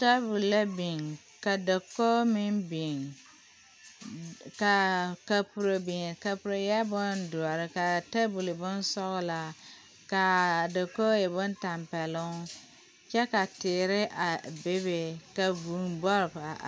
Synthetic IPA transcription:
ta˦bu˨la˦bi˨ŋ | ka˨da˨ko˦mɪ˦mbi˨ŋ | ka˨ka˨pu˨ɾo˨bɪ˨ŋka˨pu˨ɾo˨jɛ˦bʊ˦ndu˨a˨ɾɪ˦ka˨ta˦bu˨lɨ˨bʊ˦n˦sɔ˦ɣla˨ | ka˨da˨ko˦je˨bʊ˦nta˨mpɛ˨lʊ˦ŋ˦ | t͡ʃɛ˦ka˨tɪː˨ɾɪ˦ʔa˨be˦βe˦ka˨vu˨mbɔ˦ɾba˨

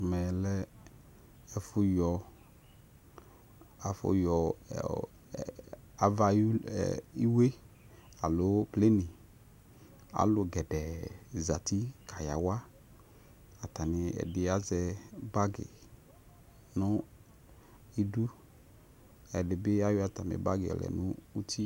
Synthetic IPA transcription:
mɛ˨lɛ˦ | ɛ˨fʊ˦jɔ˨ | a˨fʊ̰˦jɔ˨ | a˨va̰˨˦˨i˦we˦ | a˨lo˨˦ple˦nɪ˨ | a̰˨lʊ˨ɡɛ˨dɛ˨za˨ti˦kʰa˨ja̰˨wa˦ | a˨ta˨nɪ˨ɛ̰˨dɪ˨a˦zɛ˧ba˦ɡɪ̰˨ | nʊ˦ | i˨du˦ | ɛ˨dɪ˨bɪ˦a˦jɔ˦a˨ta˨mɪ̰˨ba˦ɡɪ˨ɔ̰˨lɛ̰˨nʊ˦u˦tʰi˦

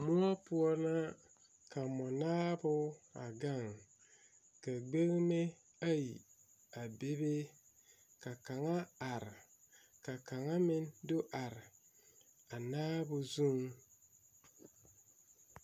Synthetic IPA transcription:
mu˦a˦pu˦ɔ˦na˦ | ka˨mɔ˨naː˦bʊ˦a̰˨ɡa˦˨ŋ | ka˨ɡ͡be˦ɣme˦ | a˦ji˨ | a˨be˦be˦ | ka˨ka˨ŋa˦a˨ɾ | ka˨ka˨ŋa˦mɪ˦ndo˦ʔa˨ɾ | a˨naː˦bʊ˨zu˦ŋ

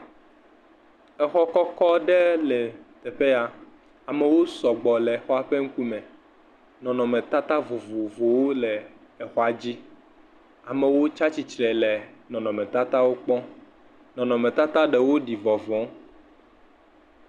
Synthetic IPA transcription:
ɛ˨xɔ˦kɔ˦kɔ˦ɖɛ˦lɛ˨t̪ɛ˨ɸe˦a˨ | a˨mɛ˨wo˦sɔ˨ɡ͡bɔ˨lɛ˨xɔ˦a˨ɸe˦ŋ̩˦ku˦mɛ̃˨ | nɔ̃˨nɔ̃˨mɛ̃˨t̪a˦t̪a˦vo˨vo˨vo˨wo˦lɛ˨ | ɛ˨xɔ˦a˨d͡ʑi˦ | a˨mɛ̃˨wo˦t͡ʃa˦t͡ɕi˨t͡ʃɾɛ˨lɛ˨nɔ̃˨nɔ̃˨mɛ̃˨t̪a˦t̪a˦wo˦k͡pɔ̃˦ | nɔ̃˨nɔ̃˨mẽ˨t̪a˦t̪a˦ɖɛ˨wo˦ɖi˨vɔ˨vɔ̃˨˦

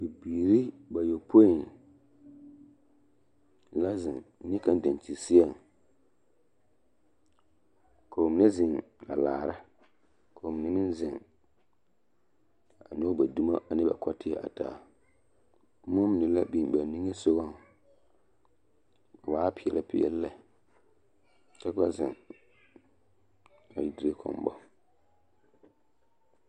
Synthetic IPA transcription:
bi˨biː˨ɾi˦ | ba˨jo˨pʰo˦i˨n | la˦zɪ˨ŋ˦nɪ˦ka˦n˦da˨n˨t͡ʃi˨sɪ˦a˦˨ŋ | kʰa˨mɪ˨nɛ˦zɪ˨ŋ | a̰˨laː˨ɾa˦ | kʰo˨m˨nɛ˦mɪ̃˦nzɪ˨ŋ | a˨n˦o˦ba˨du˦ma̰˦ʔa˨nɪ˦ba̰˨kɔ˦tɪ˦ɛ˨ʔa̰˨ta̰ː˨˦ | mʊ˦m˨nɪ˨la˦bi˨ba˨n˦nĩ˦ŋe˦so˦wa˦ŋ˨ | waː˦pɪ˨ɛ˨la˦pɪ˨ɛ̰˦lːɛ˨ | t͡ʃɛ˦ka˦zɪ̰˨ŋ | a̰˨ji˨di˨ɾe˦kʰɔ̰˨m˨bɔ̰˦

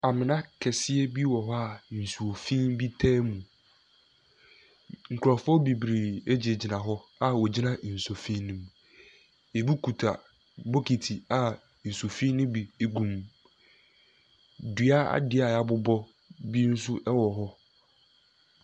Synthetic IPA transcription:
a˨mɪ̃˨nã˦kʰɛ˨sɪ˦ɛ˦bi˦wɔ˨ɦɔ˦a˨n̩˨su˨o˨fĩ˦nbi˦tʰɛː˦mũ˨ | ŋ̩˨kʰɾɔ˨fɔ˦bi˨bɾi˨e˦d͡ʑi˨e˨d͡ʑi˨nã˨ɦɔ˦a˨wɔ˨d͡ʑi˦nã˨n̩˨so˨fĩ˦nũ˦m | e˨bi˦kʰu˨tʰa˨ | bo˦kʰi˨tʰi˨a˨ | n̩˨so˨fĩ˦nʊ̃˦bi˨e˦ɡũ˨m | dɥa˦a̰˨dɪ˦a˨a˨bʊ˦bɔ˦ | bi˦n̩˦sʊ˦ʔɛ˦wɔ˨ɦɔ˦

